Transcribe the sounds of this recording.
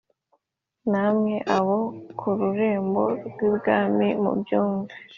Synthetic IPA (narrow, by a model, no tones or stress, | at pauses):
namɲeʔaβokʰuɾuɾeːmboɾɡɡwibɡaːmimṵbjuːŋve